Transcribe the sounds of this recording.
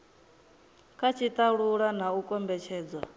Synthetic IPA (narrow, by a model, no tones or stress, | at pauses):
kʰat͡ʃʰit̪ʼaɺuɺanaukʼwɔmbɛt͡ʃʰɛːd͡zwa